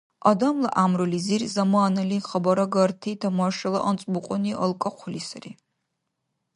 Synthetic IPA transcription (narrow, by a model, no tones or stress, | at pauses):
ɐd̪ɐmlɐʔamɾulizirzɐmaanɐliχɐbɐɾɐɡɐrtʰit̪ʰɐmɐʃɐlɐ̰ʔɐnt͡sʼmuqʷʼɔniʔɐlkʼɐqʷlisɐri